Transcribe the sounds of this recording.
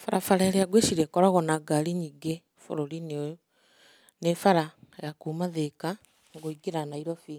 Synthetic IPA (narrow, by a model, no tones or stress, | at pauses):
faɾafaɾaɾeaɡweʃiɾɛkɔɾaɣɔnaɡaliɲiɡe | fo̰ɾoɾino | nefaɾajakumaðeka | ŋɡoiɡeɾanaiɾɔfiː